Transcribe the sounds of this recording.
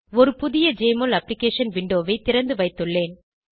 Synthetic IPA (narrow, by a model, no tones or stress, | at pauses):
ɔɾɯpʊðɪjɐd͡ʒeːmolɐplɪkeːʂɐnʋɪɳɖoːʋɐɪt̪ɪɾɐnd̪ɯʋɐɪt̪ːɯɭːeːn